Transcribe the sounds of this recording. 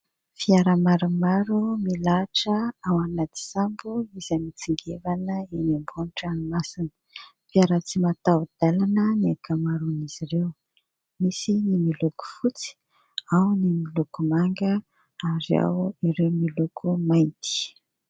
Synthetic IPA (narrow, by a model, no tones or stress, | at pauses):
fiaɾamaɾumaɾumilaʈ͡ʂəawanat̪i̥sambuizamit͡siŋɡevanəenambunʈ͡ʂanimasinə̥ | fiaɾat͡simat̪awd̪̥alanəniakamaɾuniz̥iɾew | misinimiluku̥fut͡si̥ | awnimilukumaŋɡə | aɾia̰wiɾewmilukʰumajnt̪i̥